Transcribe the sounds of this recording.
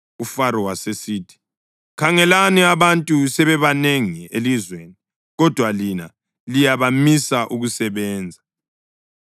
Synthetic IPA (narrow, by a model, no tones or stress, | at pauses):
ufaɾɔwasesiːtʰi̥ | kʰaŋɛlaniaβantʼusɛβɛβaneŋielizweni | ɣɔd̥ʱwalina̰ | lijaβamisaʔuɣusɛβɛːnd͡zʱa